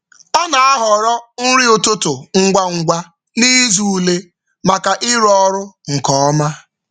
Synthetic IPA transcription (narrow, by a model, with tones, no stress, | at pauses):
ɔ˦na˨a˦ɦɔ˨ɾɔ˦n̩˦ɾi˦o˨to˦tʊ˨ŋ̩˦ɡʷa˦ŋ̩˨ɡʷa˦ | ni˦zu˦˨le˦ | ma˨ka˨ʔɪ˦ɾɔ˦ɾʊ˦ŋ̩˨kɔ˨ɔ˦ma˦